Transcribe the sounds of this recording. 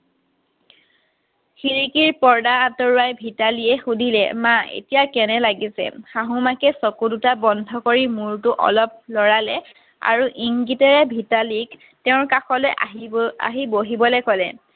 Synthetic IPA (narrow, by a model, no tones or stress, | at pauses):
xiɹikiɹpɔɹdaatɔɹuwajbʱitaliɛxudʱilɛ̰maḛtijakɛnɛlaɡisɛ̰xaɦumakɛsɔkudutabɔndʱɔkoɹimuɹtuʔɔ̰lɔp̚lɔɹalɛ | a̰ɹuʔiŋɡitɔɹɛbʱitalik | teʊ̃ɹkaxɔlojʔaɦa̰ɦiboɦibɔlɛkɔlɛ